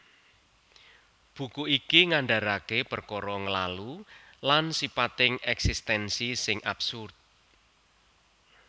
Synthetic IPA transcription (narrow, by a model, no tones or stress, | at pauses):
b̥ṳkuikiŋaɳɖa̤ɾakepərkɔɾɔŋəlalu | lansipat̪ɪŋɛksist̪ɛnsisɪŋʔa̰bsʊrt̪̚